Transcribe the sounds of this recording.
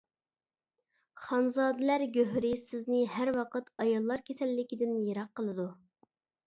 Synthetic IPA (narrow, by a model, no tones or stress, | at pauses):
χɑnzɑːd̪ɪlæɾɡʲøɦɾɪsɪznɪɦæɾwɑqət̪ɑjɑlˠːɑɾkʲʰesɛlːɪkʲid̪ɪnjeɾɑqːəlˠɨd̪u